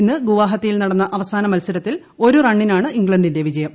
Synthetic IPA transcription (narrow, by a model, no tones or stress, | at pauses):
nːɨɡuʋaːɦɐt̪ːɐjilnɐɽɐnːɐʔɐʋɐsaːnɐmɐlsɐɾɐt̪ːil | o̞ɾurɐɳːinaːɳɨʔiŋɡɭɐɳdinde̞ʋid͡ʑɐjɐm